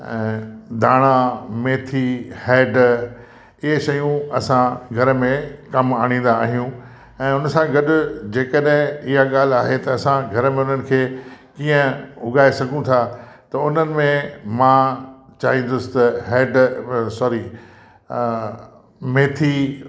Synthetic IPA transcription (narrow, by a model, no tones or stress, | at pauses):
ɛ̰̃ːd̪aːɽ̃ameːt̪ʰihɛːɖ | ɪɦeʃɐjũɐsãɡʱɐɾəmẽkɐmaːɽ̃ĩːn̆d̪aːɦijũ | ɛ̃ːʊnsãɡɐɗʊd͡ʑeːkəɗɦɪ̃ɪɦaɡaːl̤aːɦet̪ɐːsãɡʱɐɾəmẽʊn̤ənɪ̆kʰeːkiːə̃ʊɡaːesɐɡʱũt̪ʰa | t̪ɐʊn̤ənɪ̆mẽmãːt͡ɕaːɦĩːn̆d̪ʊsɪ̥t̪ɐɦeːɖsɔːɾi | meːt̪ʰi